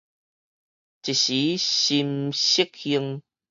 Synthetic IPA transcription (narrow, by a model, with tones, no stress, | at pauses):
t͡ɕi˨ɕi˨˦ɕi˧mɕi˦˥k̚hi˧əŋ